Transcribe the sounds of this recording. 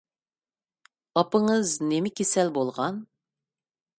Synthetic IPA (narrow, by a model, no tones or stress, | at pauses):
ɑpəɴəznemɪkʲesælbolˠʁɑn